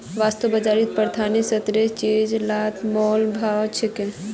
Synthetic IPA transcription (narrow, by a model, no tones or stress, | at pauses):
ʋast̪əbəd͡ʒaːɾit̪̚pəɾt̪ʰanisət̪ɾet͡ʃed͡ʒlaːt̪ʰmɔlbʱawt͡ʃʰekẽ